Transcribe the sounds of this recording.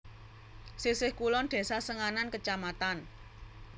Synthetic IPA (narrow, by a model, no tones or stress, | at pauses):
sisɪhkulɔnd̪̥e̤sasəŋanankət͡ʃamat̪an